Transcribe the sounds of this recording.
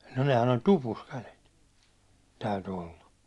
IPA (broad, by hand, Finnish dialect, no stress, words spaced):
no nehæn olʲ tupus kælet tæyty olːɑ